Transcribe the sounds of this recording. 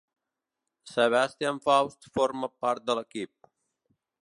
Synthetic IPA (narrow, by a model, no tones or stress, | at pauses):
seβast̪jaɱfawst̪fɔɾməpaɾt̪̚d̪əlekip̚